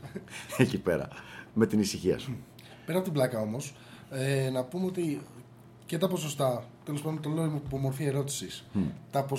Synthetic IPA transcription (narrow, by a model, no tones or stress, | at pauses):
ecipḛɾɐ̰me̞t̪inisiçiɐ̰su | pe̞ɾɐpo̞t̪iblɐkɐo̞mo̞s | enɐpumeo̞t̪i | ce̞t̪ɐpo̞sost̪ɐt̪e̞lospɐnd̪ot̪oleimupomo̞ɾθie̞ɾo̞t̪i̥sist̪ɐpo